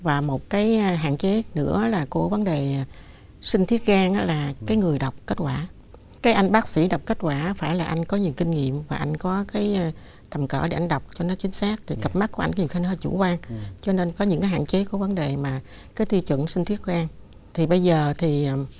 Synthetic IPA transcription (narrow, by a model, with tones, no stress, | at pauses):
vaː˨˩mo˨˩t̚kaː˨˦jɦa̰ː˧˨nt͡ɕe˨˦nɨ̰˧˥ə˨˦laː˨˩ku˧˩əvə˨˦nɗe˨˩˨ | sï˧ŋ̟t̪ʰi˦˥ət̚ɣaː˧ŋʔa̰ː˧˦laː˨˩kaː˨˦jŋɨ˨˩əjɗa˨˩wk͡p̚ke˦˥t̚kwaː˧˩ | kaː˨˦jʔa˧jŋ̟ɓaː˦˥k̚sḭ˧˥ɗɔ˨˩wk͡p̚ke˦˥t̚kwaː˧˩faː˧˩jlaː˨˩ʔa˧jŋ̟kɔ˨˦ɲi˨˩əwki˧ŋ̟ŋḭ˧˨əmvaː˨˩ʔa˧jŋ̟kɔ˨˦kaː˨˦j | t̪ʰə˨˩mkə̰ː˧˩ɗḛ˧˩ʔa˧jŋ̟ɗa˨˩wk͡p̚t͡ɕɔ˧nɔ˨˦t͡ɕï˨˦ŋ̟saː˦˥k̚t̪ʰi˨˩ɣə˨˩p̚ma˦˥ku˧˩˦ʔa˧jŋɲi˨˩ə˩xa˧nhəː˧t͡ɕṵ˧˩kwaː˧ŋt͡ɕɔ˧ne˧nkɔ˨˦ɲɨ̰˧˥ŋkaː˨˦jɦa̰ː˧˨nt͡ɕe˨˦ku˧˩əvə˨˦nɗe˨˩maː˨˩ | kaː˨˦jt̪i˧t͡ɕwə̰˧˨nsï˧ŋ̟t̪ʰi˦˥ət̚ɣaː˧ŋ | t̪ʰi˨˩ɓə˧jzəː˨˩t̪ʰi˨˩˨